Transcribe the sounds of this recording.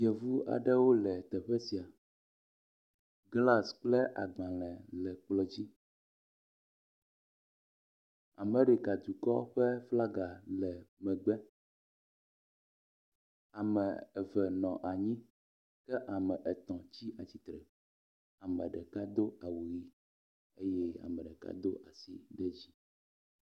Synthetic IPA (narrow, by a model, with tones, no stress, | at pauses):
i˨ɛ˨vu˦a̰˨ɖɛ˦wo˦lɛ˨t̪ɛ˨ɸɛ˦si˨a˨ | ɡla˦sk͡plɛ˦ʔa̰˨ɡ͡bã˨l̃ɛ̃˨lɛ˨k͡plɔ˨d͡ʑi˦ | a˨mɛ̃˨ɖe˨ka˨d̪u˨kɔ˦ɸɛ˦fla˦ɡa˨lɛ˨mɛ̃˨ɡ͡bɛ˦ | a˨mɛ̃˨ɛ˨vɛ˨nɔ̃˨ʔa˨ɲĩ˦ | kɛ˦ʔa˨mɛ̃˨ʔɛ˨t̪ɔ̃˨t͡ɕi˦a˨t͡ɕi˨t̪ɾɛ˨ | a˨mɛ˨ɖɛ˨ka˦d̪o˦a˨wu˨ɣi˦ | ḛ˦jɛ˦a̰˨mɛ̃˨ɖɛ˨ka̰˦d̪o˦ʔa˨si˦ɖɛ˦d͡ʑi˦